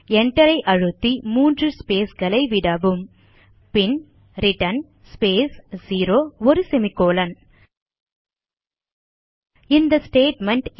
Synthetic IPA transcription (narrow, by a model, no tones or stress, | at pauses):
ɛɳʈːɐɾɐɪʔɐɻɯt̪ːimuːndrɯspeːsɡɐlɐɪʋɪɽɐʋɯm | pɪn | ɾɪʈɐn | speːsziːɾoːɔɾɯsɛmɪkːoːlɐn | ɪnd̪ɐsʈeːʈmɛɳʈ